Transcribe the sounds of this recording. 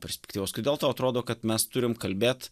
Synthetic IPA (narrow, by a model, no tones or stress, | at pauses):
pʲɛɾʲsʲpʲɛkt̪ʲiʋoːskʲɪd̪ʲeːlˠt̪oːɐt̪ɾoːd̪oːkɐt̪mʲɛst̪ʊɾʲɪmkɐlʲbʲeːt̪